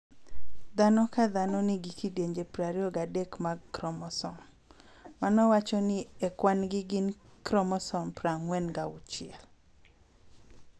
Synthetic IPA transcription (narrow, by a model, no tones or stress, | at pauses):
d̪anɔkad̪anɔnɪɡikideɲd͡ʒepɾaɾiɔɡadekmaɡkɾɔmɔsɔm | manɔwat͡ʃɔnɪɛkwanɡɪɡɪnkɾɔmɔsɔmpɾaŋwɛnɡaʊt͡ʃɪɛl